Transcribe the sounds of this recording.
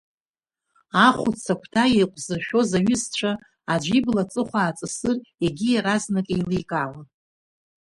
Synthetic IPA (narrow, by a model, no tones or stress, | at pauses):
aχʷʊt͡sʰakʷʰtʰajejqʷʼzɨrʃᶣo̞zaɥʏst͡ɕʷʰaː | d͡ʒʷiblat͡sʼɨχʷaːt͡sʼɨsɨreɡʲijaɾaznakʼejlijkʼalan